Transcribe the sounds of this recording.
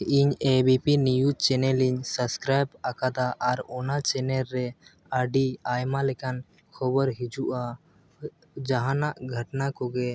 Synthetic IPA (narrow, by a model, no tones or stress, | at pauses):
iɲebipinijut͡ʃɛnɛliɲsəbskɾajbakad̪aʔːɾɔnat͡ʃɛnɛɾːɛ | aɖiajmalɛkan | kʰɔbəɾɦid͡ʒuʔa | d͡ʒaɦanaʔɡʱəʈnakɔɡɛ